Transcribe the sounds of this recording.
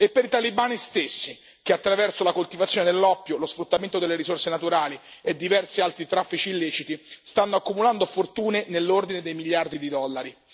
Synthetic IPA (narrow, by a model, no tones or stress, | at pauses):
epːeɾit̪alibaːnist̪esːi | k̟eat̪ːɾavɛrsolakolt̪ivat̪sjoned̪elːɔpːjolosfɾut̪ːament̪od̪elːeɾisorsenat̪uɾaːlied̪ːivɛrsialt̪ɾit̪ɾafːit͡ʃiːlːeːt͡ʃit̪ist̪anːoakːumuland̪ofort̪uːnenelːord̪ined̪ejmiʎjard̪id̪id̪ɔlːaɾi